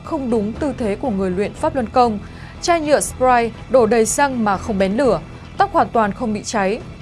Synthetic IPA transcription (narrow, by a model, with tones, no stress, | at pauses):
xə˧wŋ͡mɗʊ˨˦ŋ͡mt̪ɨ˧t̪ʰe˨˦ku˧˩əŋɨ˨˩əjlwḭ˧˨ənfaː˦˥p̚lə˧nkə˧wŋ͡m | t͡ɕaː˧jɲɨ̰˧˨əspɾaː˧j | ɗo˧˩ɗə˨˩jsa˧ŋmaː˨˩xə˧wŋ͡mɓɛ˨˦nlɨ˧˩ə | t̪a˦˥k̚hwaː˨˩nt̪waː˨˩nxə˧wŋ͡mɓḭ˧˨t͡ɕa˨˦j